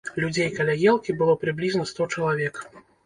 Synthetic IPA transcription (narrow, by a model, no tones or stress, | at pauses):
lʲud͡zʲejkalʲajɛlˠkʲibɨlˠɔpɾɨblʲiznɐst̪ɔt͡ʂɐlˠavʲɛk